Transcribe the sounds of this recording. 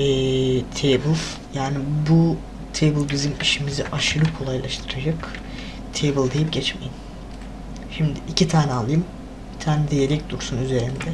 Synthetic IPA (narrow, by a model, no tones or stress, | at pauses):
ɛːt̪ʰejbɯlˠ | jaːnibu | t̪ʰejbɯlˠbizimiʃimiziʔaʃɯɾɯkʰo̞lˠajlˠaʃt̪ʰɯɾad͡ʒak | t̪ʰejbɯlˠd̪ejip̚ɟɛt͡ʃmḛjim | ʃimd̪ɪʔicʰit̪ʰaːnɛalˠːɯjɯm | bit̪ʰaːnɛd̪ejelɛc̚d̪uɾsunyze̞ɾind̪ɛ